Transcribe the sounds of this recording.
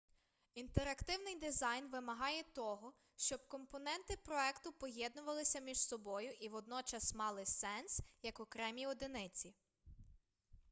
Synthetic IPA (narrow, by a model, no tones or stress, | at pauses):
int̪eɾɐkt̪ɪwnɪjd̪ɪzɑjnʋɪmɐɦɑjɛt̪ɔɦɔ | ʃt͡ʃɔb̥̚kɔmpɔnɛnt̪ɪpɾɔɛkt̪ʊpɔɦjɛd̪nʊʋɐlˠɪsʲɐmʲiʒsɔbɔjʊʔiʋɔd̪nɔt͡ʃɐsmɑlˠɪsɛnsjɐkɔkɾɛmʲiɔd̪ɪnɪt͡sʲi